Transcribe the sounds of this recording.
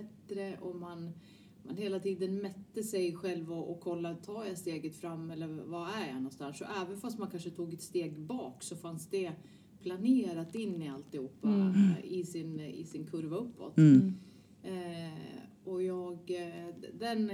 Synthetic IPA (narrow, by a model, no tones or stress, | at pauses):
ɛt̪ːɾəʔɔman | ma̰nheːlat̪ʰiːd̪ənmɛt̪ːəsɛjɧɛlvɔʔɔkʰːɔlːat̪ʰɑːjast̪eːɡət̪fɾamːɛlːəɾvaæɾja̰nɔnst̪ansɔʔɛːvənfast̪mankʰanʂət̪ʰuːɡɛt̪st̪eːɡbɑːksɔfansd̪ɛ | pʰlaneːɾat̪ɪnːɪalt̪ːɪhuːppːaɪsɪnɪ̰sɪnkʰɵɾvaɵpːɔ̰t̪ | ɔjɑːɡ | d̪ɛn